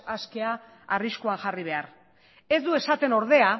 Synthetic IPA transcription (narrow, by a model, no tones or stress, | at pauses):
aske̞a | ariskuaŋʝariβ̞e̞ar | e̞zd̪ue̞sat̪e̞no̞ɾð̞e̞a